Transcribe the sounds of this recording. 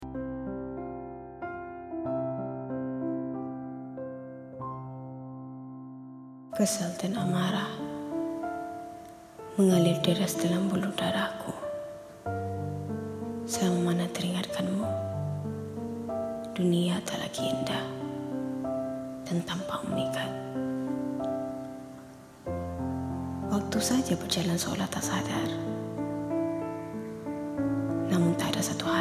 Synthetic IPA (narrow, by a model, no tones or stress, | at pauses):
kəsalt̪anamaɾa | məŋalɪrdəɾasdalambuludaɾahkʰu | saaŋamanat̪əɾiŋat̪̚kʰanmu | d̥uniat̪ala̰kiəndah | t̪ənt̪aŋpamunikat̪̚ | wak̚t̪usad͡ʒabərd͡ʒalansəo̰laht̪asadar | namuŋt̪aadasat̪uha